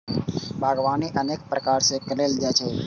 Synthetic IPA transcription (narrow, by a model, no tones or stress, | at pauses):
bʱaɡʋaniʔənek̚pɾəkaɾsekəleld͡ʒajt͡ʃʰe